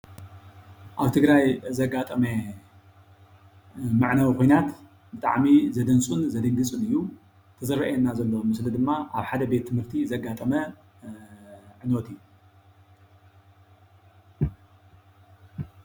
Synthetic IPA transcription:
ʔaβt̪ʰɨɡɾajzɐɡat̪ʼɐme | maʕnawixojnat̪ | bɨt̪ʼa̰ʕmizɐd̪ɐnt͡sʼunzɐd̪ɨŋɡɨt͡sʼunɨjːu | t̪ʰɐzɨɾɐʔenːazɐlːɐwmɨslɨd̪ɨmːaʔaβħad̪ɐbe̞t̪ʰːɨmhɨɾt̪ʰizɐɡːat̪ʼɐmɐ | ʕɨnot̪ɨjːu

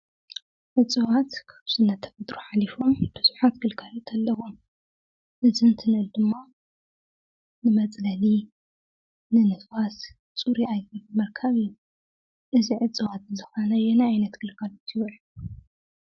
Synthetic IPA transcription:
ʕɨt͡sʼɨwat̪kʰɨ̥βsɨnːɐt̪ʰːɐ̥fɐt̪ʼɾuħalifo̞mb̥ɨz̥uħat̪̚ɡɨlkʰalot̪ʰɐlːɐwum | ʔɨzɨnt̪ʰɨnɨld̪ɨmːa | nɨmɐt͡sʼlɐli | nɨnɨfas | t͡sʼuɾiajilmɐɾkʰɐβijːu | ʔɨziʕɨt͡sʼɨwat̪̚zɨxɐnɐjɛnaajnɐt̪ɡ̥ɨlkʰalot̪ʰiwʕ

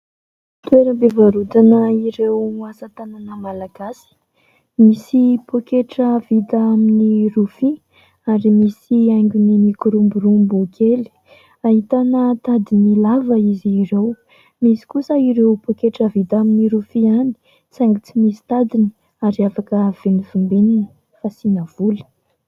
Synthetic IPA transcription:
t̪ueɾəbevaɾud̪anəiɾewasat̪ananəmalaɡasi̥ | misipʰokeʈ͡ʂəvit̪aaminiɾufi | aɾimisiajŋɡʲunimikuɾumbuɾumbukʰeli̥ | aɦit̪anət̪ad̪inilavəiziiɾew | misi̥kusəiɾewpokeʈ͡ʂəvit̪aminiɾufiani̥ | t͡saŋɡit͡simisi̥t̪ad̪ini̥ | aɾiafakəv̥enivimbenini̥ | fasinəv̥ulə̥

